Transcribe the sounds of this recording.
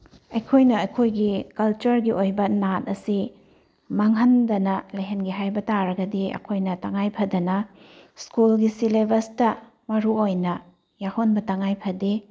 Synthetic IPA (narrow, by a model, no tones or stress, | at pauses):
ɐjkʰojnɐɐkʰojɡikɐlt͡ʃɐɾɡiʔojbɐnat̚ɐsi | mɐŋɦɐndɐnɐlɐjɦenɡiɦajbɐtaɾɐɡɐdiɐ̰kʰojnɐtaŋajpʰɐdɐnɐ | skulɡisilebɐstɐ | mɐɾuojnɐ | jahonbɐtaŋajpʰɐdi